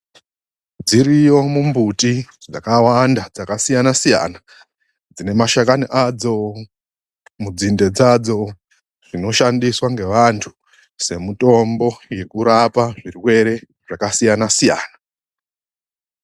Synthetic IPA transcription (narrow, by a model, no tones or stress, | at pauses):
d͡ziɾijo̞mumbutid͡za̰kawandad͡zakasijanasija̰ːna | d͡zine̞maʃakaniʔad͡zo̞ | mud͡zinde̞d͡zad͡zo̞ | ʐ̥ino̞ʃandiswaŋɡe̞ʋantʰu̥ | se̞muto̞mbo̞je̞kuɾapaʐiriwe̞ɾe̞ | ʐ̥akasijanasija̰ːna